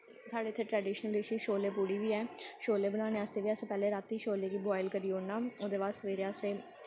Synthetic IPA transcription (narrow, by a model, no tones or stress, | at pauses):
saːɖeːt̪ʰːeːʈɾɛːɖiːʃnəlɾɪʃiʃoːleːpuːɽiːʋiːɛːʃoːleːbənaːneːəst̪eːʋiːəsepɛːleːɾaːt̪ːiːʃoːleːkiːbɔːɪlkəɾiːoːnaːoːd̪eːʋaːsəʋeːɾeəseː